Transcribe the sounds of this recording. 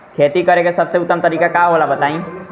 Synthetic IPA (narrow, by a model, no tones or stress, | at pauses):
kʰet̪ikəɾekesəbseʊt̪ːəmt̪əɾiːkakaɦolabət̪aĩ